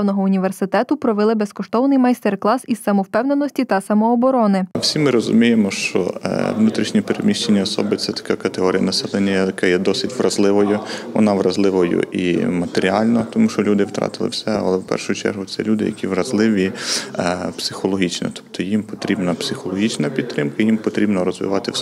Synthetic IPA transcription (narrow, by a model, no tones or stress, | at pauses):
wnɔɦɔʊnʲiʋersɪt̪ɛt̪ʊpɾɔʋelˠɪbɛskɔʃt̪ɔwnɪjmɐjst̪erklˠɑsissːɐmɔwpɛwnenɔsʲtʲit̪ɐsɐmɔːbɔɾɔnɪwsʲimɪɾɔzʊ̰mʲijemɔʃt͡ʃɔ̰ʋnut̪ɾʲiʃnʲipeɾemʲiʃt͡ʃenʲːiɔsɔ̰bɪt̪sɛt̪ɐ̥kɛkɐt̪eɦɔɾʲijɐ̰nɐsɛlˠɛnʲːɐjjɐkɛjɛd̪ɔsɪtʲʋrɐzlˠɪʋɔjʊʋɔ̰nɑʋrɐzlˠɪʋɔjʊ̰ʔḭmɐt̪eɾʲiɑlʲnɐt̪ɔmuʃt͡ʃɔlʲud̪ɪwt̪ɾɑ̰t̪ɪlˠɪ̰wsɛɐ̰lˠɛwpɛ̰rʃʊjʊt͡ʃɛ̰rɦʊt̪sɛ̰lʲud̪ɪ̰jɐ̰kʲiʋrɐzlˠɪʋʲi | psɪxɔlˠɔɦʲit͡ʃnɔ̰t̪ɔ̥p̚t̪ʰɔjimpɔt̪ɾʲibnɐpsɪxɔlˠɔɦʲit͡ʃnɐpʲid̪̚t̪ːɾɪmkɐjimpɔt̪ɾʲibnɔɾɔzʋɪ̰ʋɑt̪ɪ